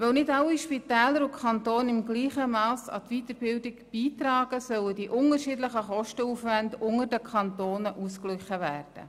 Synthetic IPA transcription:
vœwnɪdɑwiʃpit̪ɛːləɾʊkχɑnt̪oːnɪmɡliːχəmɑːsɑ̰t̪viːt̪əɾb̥ɪldɪkb̥iːt̪rɑːɡ̥əsœwədiʔʊŋərʃiːdləχəχɔʃtəuːfvændʊŋədəkʰɑnt̪oːnəʔuːsklʏχəvæːrd̥ə̰

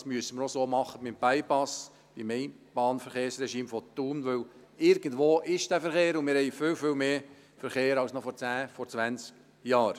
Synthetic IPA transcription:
smyəsəməɾɔsoːmɑχəbɪmb̥æɪpɑs | b̥imɛɪ | b̥ɑːnfɛɾχeːɾsrɛʃiːmfɔt̪ːuːnʋɵw | ɪɾɡ̥əndʋoːʔɪʃd̥æfɛɾχeːɾʊnmɪːɾhɛɪfʏwfʏwmeː | fəɾχeːɾɑwsnɔfɔɾt͡sæːfɔɾt͡sʋænt͡sk | jɑːɾ

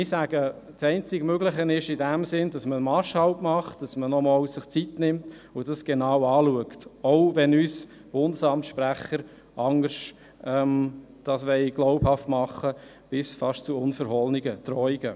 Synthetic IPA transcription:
ɪsæɡ̥ə | tsɛɪnt͡sɪɡmøɡləχənɪʃidæmsɪndɑsməmɑʃhɑlpmɑχt̚d̥ɑsmənɔmɔwsɪχt͡sitnɪmt | ʊdɑsɡ̥enɑwɑːluəktoʊʋɛnys | b̥ʊndəsɑmtʃpɾæχəɾ | ʔɑŋəɾʃ | ɛm | d̥ɑsʋɛɪɡ̥lɔʊphɑftmɑχːə | b̥ɪsfɑʃt͡suʊnfəɾɦɔlniɡətɾɔɪɡə

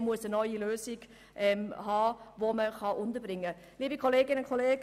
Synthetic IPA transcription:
muəsənɔʏiløːsɪɡ̥ | ʔɛmhɑːvoməχɑʔʊntəbɾɪŋːə | liːbikʰɔleːɡɪnəʊnkʰɔleːɡ

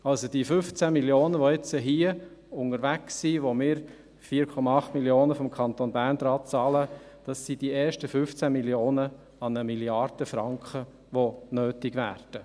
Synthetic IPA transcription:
ɑlsod̥ifʏft͡sæmiljoːnəʋoɛt͡səɦiəʊŋəɾʋæksːiʋomɪːɾ | fiəɾkʰɔmɑɑχt̪miljoːnəfɔmkʰɑnt̪onbæːrndɾɑːt̚t͡sɑːləd̥ɑsːid̥ieːɾʃtəfʏft͡sæmiljoːnə | ɑnəmiljɑrd̥əfɾɑŋkχə | ʋonøːtɪɡʋæ̰ːrd̥ə

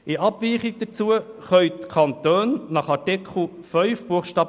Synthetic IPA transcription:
ɪʔɑbviːχiɡ̚d̥ət͡suəχœʏtkʰɑnt̪øːnːɑχɑtɛkχl̩fœʏfb̥uəχʃtɑːb

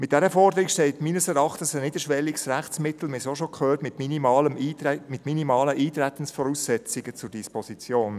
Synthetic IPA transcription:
mɪt̚d̥ɛɾəfɔrdəɾikʃtɛltmiːnəsɛɾɑχtənsəniːd̪əʃʋɛliɡsræχt͡smɪt̪l̩mesoʃokʰχøːtmɪtminiɑːləmːmɪtminimɑːləʔiːt̪ɾɛt̪ən̩sfɔɾuːsːɛt͡sɪɡət͡sʊɾdispɔsit͡sjoːn

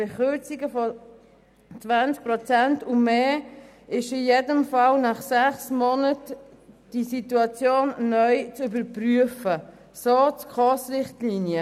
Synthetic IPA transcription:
b̥eχʏt͡siɡəfɔ | t͡svant͡sk̚pɾɔt͡sæntʊmeː | ɪʃɪjedəmfɑlnɑχsæχsmɔnət | d̥isituɑt͡sjoːnːœʏt͡sybəɾpryəfə | soːt͡skχɔsʁɪχtliːnjə

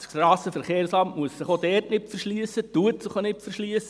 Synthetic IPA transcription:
sɾɑːsəfɛɾχeːɾslɑmmuəssɪχodɛːrtnɪpfɛɾʃliəsːət̪uətsɪχonɪtfəɾʃliəsə

